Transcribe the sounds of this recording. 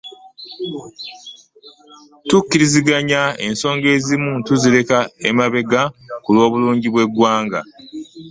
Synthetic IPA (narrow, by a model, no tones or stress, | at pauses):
tukːiɾiziɡaɲae̞̰nso̞ːŋɡe̞ːzimuntuziɾe̞kaemaβe̞ɡakulwo̞ːβuluːɲɟiβwe̞ɡwaːŋɡa̰